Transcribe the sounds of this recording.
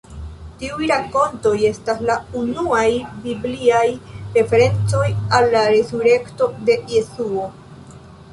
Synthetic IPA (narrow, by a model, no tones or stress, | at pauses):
tiujɾako̞nto̞je̞staslaunuajbibliajɾe̞fe̞ɾe̞nt͡so̞jalːaɾe̞suɾe̞kto̞de̞jesuo̞